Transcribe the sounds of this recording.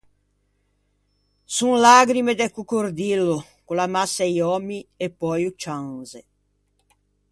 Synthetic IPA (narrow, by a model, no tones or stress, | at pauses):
suŋlaɡɾimed̪ɛkukoɾd̪ilːo | kulamasːajɔmːiepːɔjut͡ʃanze